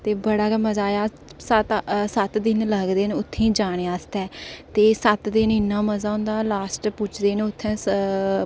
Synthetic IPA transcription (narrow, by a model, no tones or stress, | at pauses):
t̪eːbəɽaːkɛməzaːjaː | sət̪sət̪d̪ɪnləɡd̪eːnːʊt̪ʰːẽːd͡ʒaːɽ̃eːaːst̪ɛːt̪eːsət̪d̪ɪnɪnːãːməzaːʊ̃nd̪aːlaːsʈpʊt͡ʃʰd̪eːneʊt̪ʰːɛ̃ː